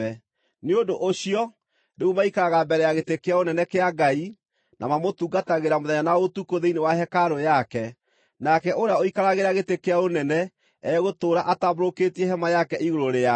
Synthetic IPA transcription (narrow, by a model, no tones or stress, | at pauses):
ɛ | neondoʔoɕiɔ | deɣumaikaɾaɣabɛɾɛjaɣetekeaonɛnɛkeaɡai | nʔa̰mamotuɡataɣeɾamoðɛɲanaotukoðeinewaɦɛkaɾojakɛ | nakɛʔoɾeaoikaɾaɣeɾaɣetekeaonɛnɛ | ɛɣotoːɾaʔataboɾoketiɛɦɛmajakɛʔiɣoɾoɾea